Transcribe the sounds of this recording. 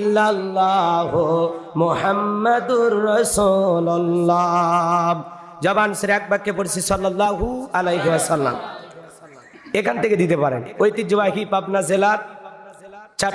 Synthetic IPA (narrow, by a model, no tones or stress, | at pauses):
lːalːaɦumʊhamːɐd̪uɾːɐsulalːa | d͡ʑɔbanseɾɛk̚bakʰːepoɾt͡ʃʰisɔlːalːaɦualejɦewasɐlːa̰m | ekʰant̪ʰeked̪it̪epaɾḛnojt̪id͡ʒobakipabnazelaɾ | t͡ʃʰa